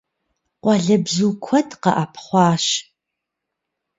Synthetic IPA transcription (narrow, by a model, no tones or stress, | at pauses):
qʷɑɮɐbzuːkʷʰɔtʰqɐ̰ʔapʰχʷɑːʃ